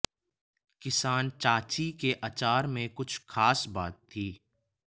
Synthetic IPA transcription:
kɪsaːnt͡ʃaːt͡ʃikeʔɐt͡ʃaːɾmẽkʊt͡ʃʰxaːsbaːt̪ʰːiː

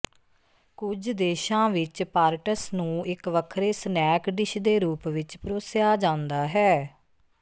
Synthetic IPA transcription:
kʊd͡ʒd̪eːʃãːʋɪt͡ʃpaːɾʈəsnũːɪkʋəkʰɾeːsnɛːkɖɪʃd̪eːɾuːpʋɪt͡ʃpɾoːsɪjaːd͡ʒãːnd̪aːɦɛː

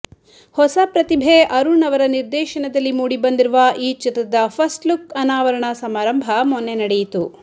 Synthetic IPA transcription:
hɔsɐpɾɐt̪ibʱeʔɐɾuɳɐʋɐɾɐniɾd̪ɛːʃɐɳɐd̪ɐlːimuːɽibɐnd̪iɾuʋaʔiːt͡ʃit̪ɾɐd̪ɐpʰɐsʈlukɐnaːʋɐɾɐɳɐsɐmaːɾɐmbʱɐmɔnːenɐɽejit̪u

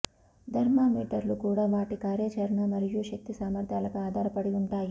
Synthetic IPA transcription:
d̪ʱɐɾmaːmiːʈɐɾɐlukuːɽaːʋaːʈikaːɾjɐt͡ʃɐɾɐɳamɐɾijuːʃɐk̚t̪isaːmɐɾt̪ʰjaːlɐkɐaːd̪ʱaːɾɐpɐɽiuɳʈ̪aːji

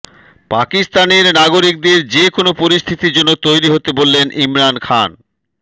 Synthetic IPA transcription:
pakist̪aneɾnaɡoɾik̚d̪eɾd͡ʑekonopoɾist̪ʰit̪id͡ʑonːot̪ojɾiɦot̪ebolːenʔimɾankʰan

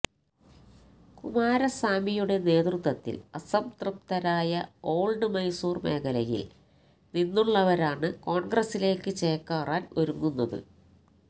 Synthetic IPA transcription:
kumaːɾɐsaːmijuɽe̞ne̞ːt̪rut̪ʋɐt̪ːḭlɐsɐmt̪rup̚t̪ɐɾaːjɐo̞ːɭɖɨmɐjsuːrme̞̰ːkʰɐlɐjḭl | ninːuɭːɐʋɐɾaːɳɨko̞ːɳɡrɐsːile̞ːkːɨt͡ɕeːkːaːraːnʔɐɾuŋːunːɐðɨ̰

